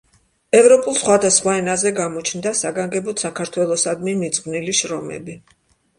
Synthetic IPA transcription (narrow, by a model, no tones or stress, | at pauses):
ɛvɾɔpʼulˠsχwad̪asχwaɛnazɛɡamɔt͡ʃʰnd̪asaɡaŋɡɛbɔt̪sakʰaɾt̪ʰwɛlˠɔsad̪mimit̪sʼqʼvniliʃɾɔmɛ̰bi